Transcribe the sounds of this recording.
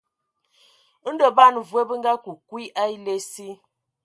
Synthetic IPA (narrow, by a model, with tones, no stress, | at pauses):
ə˦n̩˦də˨ba˦˨n˨vwə˦bə˦ŋɡa˦ku˨kwi˦ʔa˦i˦le˦si˦